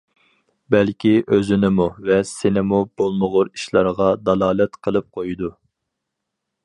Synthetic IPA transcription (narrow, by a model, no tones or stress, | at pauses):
bɛlkʲiʔøzynɪmuvɛsɪnɪmub̥olˠməʁʊɾi̥ʃlˠɑɾʁɑd̪ɑlˠɑːlˠɛt̪qʰəlˠɨp̚qʰojid̪u